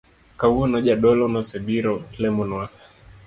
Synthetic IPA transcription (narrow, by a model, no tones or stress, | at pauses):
kauɔnaʄaɗɔlɔnasɛɓiɾɔlɛmɔnwa